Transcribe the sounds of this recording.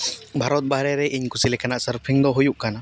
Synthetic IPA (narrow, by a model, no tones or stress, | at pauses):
bʱaɾɔt̪̚baɦɾɛɾɛʔiɲkusilɛkanaʔsəɾpʰiŋd̪ɔɦujuʔkana